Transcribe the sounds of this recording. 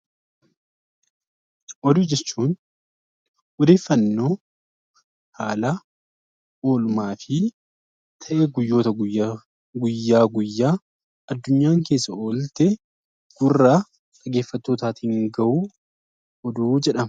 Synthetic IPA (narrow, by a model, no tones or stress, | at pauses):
ʔɔd̪ʊːd͡ʒɛt͡ʃːuːn | ʔɔd̪e̞ːfːɐnːo̞ː | haːlɐ | o̞ːlʊmaːfɪ | t̪ʰɐʔeɡʊjːo̞ːt̪ɐɡ | ɡʊjːaːɡʊjːaː | ɐd̪ːʊɲːaːŋke̞ːsːɐʔoːlt̪e | ɡ̥ʊrːaː | t̪ʼɐɡe̞ːfːɐt̪ːoːt̪aːt̪hɪŋɡɐʔuː | ʔɔd̪uːd͡ʒɛᶑɐmɐ